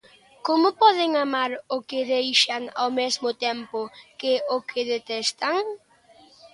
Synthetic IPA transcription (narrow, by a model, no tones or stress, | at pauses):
komʊpɔðɪŋamaɾʊkɪðejʃaŋa̰wmezmʊt̪ẽmpʊkɪʊkʰɪðet̪ɛst̪aŋ